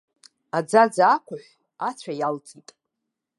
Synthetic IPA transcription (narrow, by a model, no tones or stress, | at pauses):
ad͡zad͡zaːkʷʰʊħʷ | at͡ɕʷʰajalt͡sʼitʼ